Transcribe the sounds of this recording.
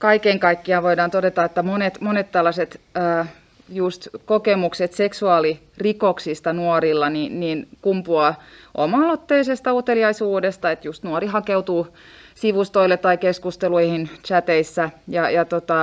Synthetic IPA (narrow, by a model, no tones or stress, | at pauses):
kɑikeŋkɑikːiɑʋoidɑːnt̪odet̪ɑet̪ːæmonet̪monet̪t̪ɑlːɑset̪əː | just̪kokemukset̪seksuɑːlirikoksist̪ɑnuoɾilːɑninninkumpuɑʔo̰mɑːlot̪ːeisest̪ɑut̪eliɑisuːdest̪ɑet̪just̪nuorihɑkeut̪uː | siʋust̪oilːet̪ːɑikeskust̪eluihint͡ʃæt̪eisːæjɑjɑt̪ot̪ɑ